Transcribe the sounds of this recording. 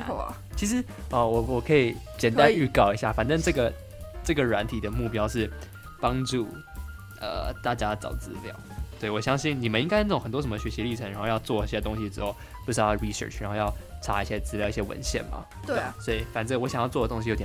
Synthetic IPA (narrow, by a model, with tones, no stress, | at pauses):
t͡ɕʰi˧˥ʂɻ̩˧˥ | ə˩wɔ˨˩wɔ˨˩kʰɤ˧˥i˨˩˦t͡ɕjɛ˨˩nt̪a˥˦ny˥˧kɑ˥˩ʊi˧˥ɕja̰˥˩fa˨˩nʈ͡ʂə˥˧ʈ͡ʂɤ˥˩ɡə˩ | ʈ͡ʂɤ˥˩ɡə˩ɻwa˧˥nt̪ʰi˨˩d̪ə˦mu˥˩pjɑ˥ʊʂɻ̩˥˩ | pɑ˥ŋʈ͡ʂu˥˩ | ə̰˧˩t̪a˥˩t͡ɕja˥t͡sɑ̰˨˩ʊt͡sɹ̩˥ljɑ̰˥˩˦ʊt̪we˥˩ɪwɔ˨˩ɕjɑ˥ŋɕi˥˩nni˨˩mə˦ni˥ŋka˥˧nə˥˩˨ŋxə˨˩nt̪wɔ˥ʂə˧˥mə˧ɕɥɛ˧˥ɕi˧˥li˥˩ʈ͡ʂʰɤ˧˥ŋɻa˧˥nxo˥˧ʊjɑ˥˧ʊt͡swɔ˥˩˧ɕjɛ˥t̪ʊ˥ŋɕi˧ʈ͡ʂɻ̩˧˥xo˥˩ʊ | pu˥˩˥ɹi˨sə̰˥˩ʈ͡ʂʰɻnxo˥˧ʊjɑ˥˩ʊʈ͡ʂʰa˧˥i˧˩ɕjɛ˥t͡sɹ̩˥ljɑ˥ʊi˩ɕjɛ˥wə̰˧˥nɕjɛ̰˥˩nmɐ̰˩t̪swɔ˧˥i˨˩fa˨˩nt͡sə˥˩wɔ˧˥ɕjŋjɑ˥˧t͡swɔ˥˩ə˩t̪ʊ˥ŋɕi˨jo˧˥t̪jɛ˨˩